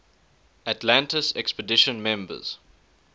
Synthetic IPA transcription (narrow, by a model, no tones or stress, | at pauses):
atlãntəsɛkspədɪʃə̃nmɛ̃mbə̰z̥